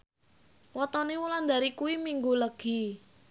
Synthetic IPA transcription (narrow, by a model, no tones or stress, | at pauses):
wɔt̪ɔniwuland̪aɾikuwimiŋɡuləɡ̥i̤